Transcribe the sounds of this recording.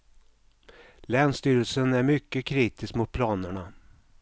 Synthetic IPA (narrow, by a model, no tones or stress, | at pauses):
lɛːnst̪yːɾəlsənæɾmʏkːəkʰɾiːt̪ɪskmʊt̪̚pʰlɑːnəɳa